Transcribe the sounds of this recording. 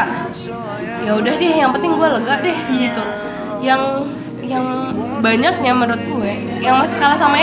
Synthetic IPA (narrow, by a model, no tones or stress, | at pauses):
jaudahdɪjaŋpənt̪ɪŋɡualəɡaʔdɛhbəɡit̪u | jaŋ | jaŋbaɲak̚ɲaməɾʊt̪̚ɡua | jaŋmasi̥kalasama